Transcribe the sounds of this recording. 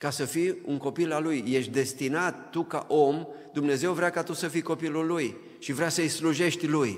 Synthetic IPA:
kasəfiuŋko̞pilalujːe̞ʃt̪̚ʲd̪e̞st̪inat̪ːuka̰ʔo̞md̪umne̞ze̞wvɾʲakat̪usəfijko̞pilulːuj | ʃivɾʲasəjsluʒe̞ʃt̪ʲluj

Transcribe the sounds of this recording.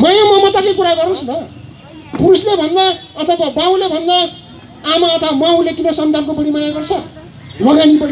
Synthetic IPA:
majamʌmʌt̪akʌjkuɾaɡʌrnuslʌ | puɾuslebʱʌnd̪aʌt̪ʰʌbabaw̃lebʱʌnd̪aː | maʌt̪ʰʌbamaw̃lekinʌsʌnd̪ʱankobʌɽimajaɡʌrt͡sʰʌ | lʌɡanibʌɽi

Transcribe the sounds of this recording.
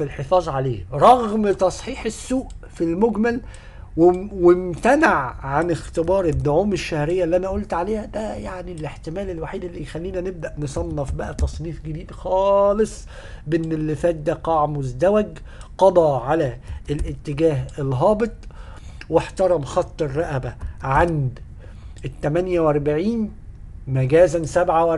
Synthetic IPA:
filħefɑːzˤʕaleːɾˤɑɣmt̪ɑsˤħiːħesːuːʔ | filmoɡmæl | wewɪmt̪ænaʕʕanɪxt̪ɪbɑːɾˤed̪ːʊʕuːmeʃːæhɾejːælːiʔænæʔolt̪ʕaleːhæd̪æjaʕnileħt̪ɪmæːlelwaħiːd̪elːixælːiːnæneb̚d̪æʔnesˤɑnːɑfbæʔæt̪ɑsˤniːfɡɪd̪iːd̪xɑːlesˤ | bʔenːelːɪfæːt̪̚d̪æːqɑʕmʊzd̪æwæɡ | qɑd̪ˤɑʕalæelʔɪt̪ːɪɡæːɦelɦɑːbet̪ˤ | weħt̪ɑɾˤɑmxɑt̪ˤːerˤːɑʔæbæʕand̪ | et̪ːæmænjæwɑɾˤbaʕiːnmæɡæːzænsæbʕawʔ

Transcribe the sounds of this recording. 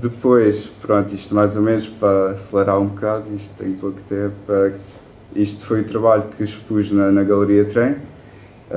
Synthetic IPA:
d̪ɨpojʃpɾõnt̪uiʃt̪majzomenuʃpɾɐɐsɨlˠɐɾaɾũbukaðuiʃt̪t̪ːɐ̃j̃pokt̪ɛpɾɐ | iʃt̪u̥fojut̪ɾɐβaʎukʰɨʃpuʒnɐnɐɣɐlˠɨɾiɐt̪ɾɐ̃j̃

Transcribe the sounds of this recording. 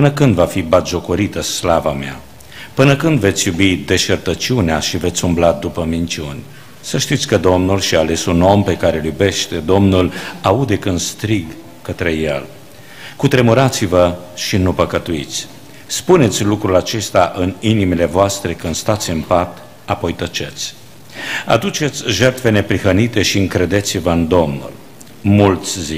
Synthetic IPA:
pɨnəkɨnd̪vafibat̪ʒo̞koɾit̪əslavamea̰ | pɨnəkɨnd̪ve̞t̪sʲjubid̪e̞ʃert̪ət͡ʃiuneaʃive̞t̪sʲumblad̪upəmint͡ʃiunʲ | səʃt̪it̪sʲkəd̪o̞mnulʃiaːle̞suno̞mpe̞kaɾe̞ljube̞ʃt̪e̞d̪o̞mnulaud̪e̞kɨnd̪st̪ɾiɡ | kət̪ɾe̞jel | kut̪ɾe̞muɾat̪sivəʃinupəkət̪uit̪sʲ | spune̞t̪sʲlukɾulat͡ʃe̞st̪aʔɨninimile̞voast̪ɾe̞kɨnd̪st̪at̪sʲɨmpat̪ | apo̞jt̪ət͡ʃe̞t̪sʲ | a̰d̪ut͡ʃe̞t̪sʲʒe̞rt̪fe̞ne̞pɾixənit̪e̞ʃiɨŋkɾed̪e̞t̪sivəɨnd̪o̞mnṵl | mult̪sʲzi

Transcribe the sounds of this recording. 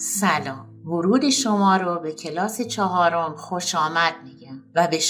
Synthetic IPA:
sælɒːmvoɾuːd̪e̞ʃomɒːɾobe̞cʰe̞lɒːse̞t͡ʃʰɒɦɒːɾomxoʃɒːmæd̪̥̚miːɟæmvæbe̞ʃ

